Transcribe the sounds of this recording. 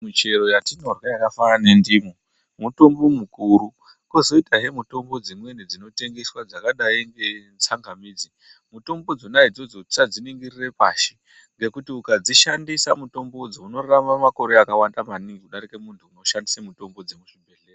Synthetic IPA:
mit͡ʃe̞ɾo̞jatino̞rwajakafanane̞ndiːmo | muto̞mbo̞mukuɾu | kuzo̞itaɦe̞muto̞mbo̞d͡zimwe̞ned͡zino̞te̞ŋɡe̞swad͡zakaɗaiŋɡe̞nt͡saŋɡamiːd͡zi | muto̞mbo̞d͡zo̞naid͡zo̞d͡zoi̥t͡ʃad͡ziniŋɡirire̞paːʃi̥ | ŋɡe̞kutiukad͡ziʃandisamuto̞mbo̞d͡zouno̞rramamako̞ɾe̞akawandamaniŋɡikuɗaɾike̞muntʰuːno̞ʃandisamuto̞mbo̞d͡zemuʐibʱe̞ɬeːra

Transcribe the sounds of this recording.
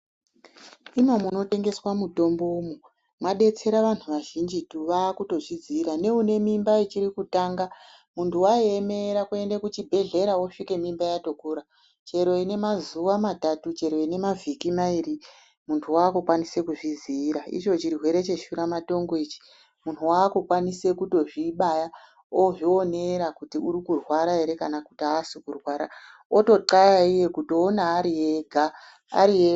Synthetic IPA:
imamuno̞te̞ŋɡe̞swamuto̞mboumu | mwaɗe̞t͡se̞ɾaʋan̤uʋaʒind͡ʒituʋaːkuto̞ʐid͡zːɾane̞une̞mimbait͡ʃiɾikutaːŋɡa | muntʰuwaieme̞ɾakue̞ndekut͡ʃibʱe̞ɮe̞ɾaoʂike̞mimbajato̞kuɾa | t͡ʃe̞ɾo̞ine̞mazuʋamatatut͡ʃe̞ɾo̞ine̞mavʱikimairi | muntʰuwakukwanise̞kuʐiziːɾaḭt͡ʃo̞t͡ʃiɾiɦwe̞ɾe̞t͡ʃe̞ʃuɾamato̞ŋɡo̞it͡ʃi̥ | muntʰuwaːkukwanise̞kuto̞ʐiɓaja | oʐioneɾakutiuɾikurwaɾae̞ɾe̞kanakutiaːsukurwaɾa | oto̞ǃajaije̞kutoonaːɾijeɡʱa | a̰ɾie

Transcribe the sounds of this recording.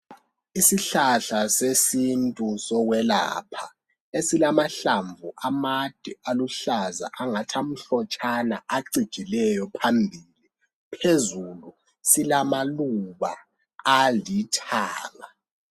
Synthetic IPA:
isiɬaɬasesintʼusɔɣwɛla̰ːpʰa | esilamaɬaɱvʱuʔamad̥ʱialuɬaza̰ʔaŋatʰam̩ɬɔt͡ʃʼanaʔaǀid̥ʒ̥ʱilɛjɔpʰambʱiːli | pʰezulu | silamaluβaː | litʰaːla

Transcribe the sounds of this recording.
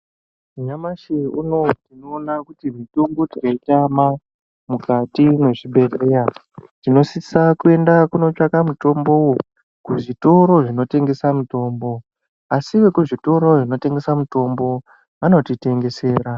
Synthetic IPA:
uɲamaʃeuno̞tino̞ːnakutimituŋɡutikaitama | mukatine̞ʐiɓe̞reːja | tino̞sisakue̞ndakuno̞t͡ʂakamuto̞mbo̞wu | kuʐito̞ɾo̞ʐino̞te̞ŋɡe̞samuto̞ːmbo̞ | asiwe̞kuʐito̞ɾo̞ʐino̞te̞ŋɡe̞samuto̞mbo̞ | ano̞tite̞ŋɡe̞se̞ːɾa

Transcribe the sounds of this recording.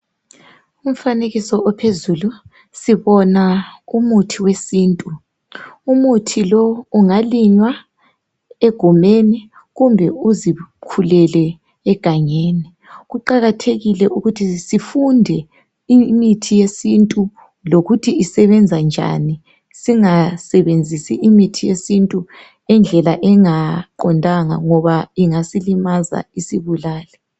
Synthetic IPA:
um̩faneɣisɔɔpʰezulu | siβɔnaumutʰiwesiːntʼu | umutʰilɔuŋaliɲwa | eɡ̥ʱumeni | ɣumbʱɛuzikʰulɛlɛː | ɡ̥ʱaɲeːni | ɣuǃaɣatʰeɣilɛʔuɣutʰisifundʱɛ | imitʰijesintʼu | loɣutʰiisɛβɛnd͡zʱand͡ʒʱa̰ni | siŋasɛβend͡zʱisḭʔimitʰijesintʼu | ɛnd͡ɮʱɛlaʔɛŋaǃɔndʱaŋa̰ŋɔβaiŋasilimaza̰isiβulaːlɛ

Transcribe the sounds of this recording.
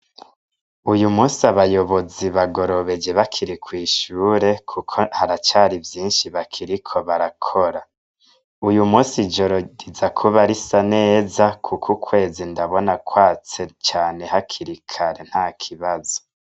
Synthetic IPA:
ujumuːsiaβajo̞βo̞ziβaɡo̞ɾo̞βe̞d͡ʒe̞βakʰiɾikwiːʃuːɾe̞kʰukʰohaɾat͡ʃaːɾivjiːnʃiβakʰiɾikʰo̞βaɾakʰo̞ɾa | ujumuːsid͡ʒo̞ɾoɟizakʰuβaɾisane̞ːzakʰukʰukwe̞ːzindaβo̞nakwaːt͡se̞t͡ʃaːne̞hakʰiɾikʰaɾe̞n̥haːkʰiβazo

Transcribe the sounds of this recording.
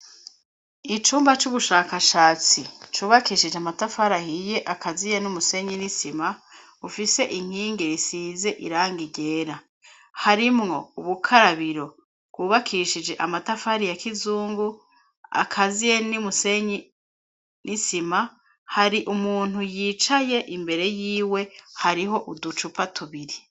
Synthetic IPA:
it͡ʃuːmbat͡ʃuβuʃaːkaʃaːt͡sit͡ʃuːβakiːʃid͡ʒeamatafaɾahije̞ʔakʰazijenumuse̞ɲinisima | ufise̞ʔiŋ̥hiːŋɡeɾisiːze̞ʔiɾaːŋɡiɟe̞ːɾa | haɾimŋo̞uβukʰaɾaβiɾo̞ | βɡuːβakʰiʃid͡ʒe̞ʔamatafaɾijakizuːŋɡu | a̰kʰazijenimuseɲi | nisima | haɾiʔumuːn̥ujiːt͡ʃaje̞ʔimbe̞ɾe̞jiːwe̞haɾiɦo̞ʔudut͡ʃupatʰuβiɾi

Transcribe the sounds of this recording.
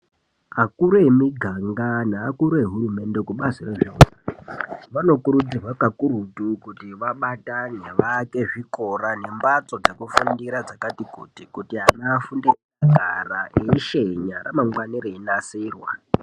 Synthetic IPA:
akuɾemiɡʱaŋɡanaːkuɾeɦurume̞nde̞kuɓasireʐeoaʋano̞kuɾud͡zirwakakuɾutukutiʋaɓataneʋake̞ʐiko̞rane̞mbat͡so̞d͡zekufundiɾad͡zakatikṵtikutianafundiraaɡʱaraʔeʃeɲaɾamaŋɡwaniɾeinasiːrwa̰

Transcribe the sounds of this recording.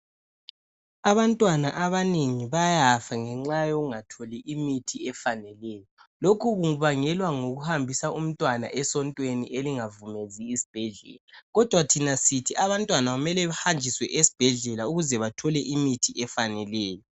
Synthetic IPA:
aβantʼwanaʔaβaneŋiβajafaŋɛŋ͡ǁajoɣuŋatʰoliʔimitʰiɛfanɛlɛːjɔlokʰuɣuŋuβaŋɛlwaŋoɣuhambʱisaum̩tʼwana̰ʔɛsɔntʼweniʔeliŋavumeziːsi̥b̥ʱɛɮɛ̰ːlaɣɔd̥ʱwatʰinasitʰiaβantʼwanaɣumɛlɛβahand͡ʒʱiswɛʔesi̥b̥ʱɛɮɛlauɣuzɛβatʰɔlɛʔimitʰiʔɛfanɛlɛːjɔ

